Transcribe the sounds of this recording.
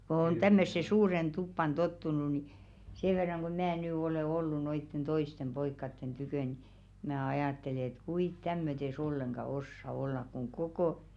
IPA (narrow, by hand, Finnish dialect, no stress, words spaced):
ko on tæmːøsːe suːren tupːɑn totːunu ni seː ʋerːɑŋ ɡ̊o mæː nyˑ oleˑ olːu noitːen toistem b̥oikːɑtːen tykøˑ ni mæː ɑjɑˑtːele et kuit tæmːøtes olːeŋɡ̊ɑ osːɑ olːɑk kuŋ kokoˑ